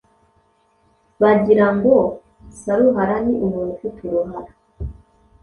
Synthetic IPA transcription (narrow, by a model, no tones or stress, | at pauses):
βaɟiɾambo | saɾuɦaɾaniʔuɾuːnufutʰuɾuɦaɾa